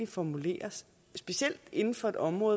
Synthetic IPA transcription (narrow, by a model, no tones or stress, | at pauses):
ifɒmule̝̰ːɐs | sb̥e̝ɕiel̰d̥e̝nn̩fɒ̽e̝d̥ɒ̽mʁɔ̽ːðˠ